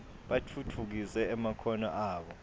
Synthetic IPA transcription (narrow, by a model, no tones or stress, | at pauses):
ɓatʰutʰuk̬isɛːmakʰɔnɔʔaːɓɔ